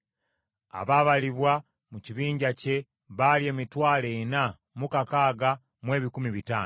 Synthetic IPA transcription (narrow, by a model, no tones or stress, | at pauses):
a̰βaːβaliβwa | muciβiːɲɟace̞ | βalje̞ːmitwaːlena | mukakaːɡa | mwe̞ːβikumiβitaːn